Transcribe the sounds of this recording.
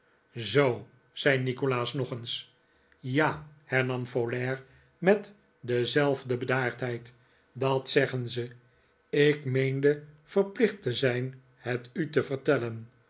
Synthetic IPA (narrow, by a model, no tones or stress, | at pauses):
zow | z̥ɛjnikolaːsnɔχəns | jaːhɛɹnɑmfolɛːɹ | mɛt | dəzɛlˠvdəbədaːɹtɦɛjt | dɑtsɛχənzə | ɪkmejndə | fəɹplɪχtəzɛjn | ɦɛtytəvəɹtɛlən